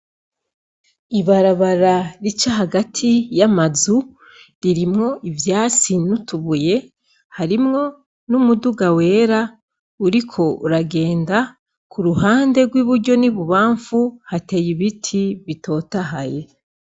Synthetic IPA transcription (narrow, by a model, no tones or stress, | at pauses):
iβaɾaβaɾaɾit͡ʃaɦaɡatʰijamazu | ɾiɾimŋo̞ʔivjaːt͡sinutuβuje̞ | haɾimŋo̞ | numuduɡawe̞ːɾa | uɾikʰo̞uɾaɡe̞ːnda | kʰuɾuhaːnde̞ɡwiβuɾɟo̞niβuβaːɱfuhatejiβitʰiβitʰo̞ːtaɦaje̞